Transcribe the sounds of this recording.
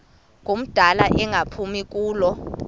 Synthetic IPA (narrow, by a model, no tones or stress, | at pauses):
ŋʱom̩d̥ʱalaʔɛŋʱapʰumik̬ʼuːlɔ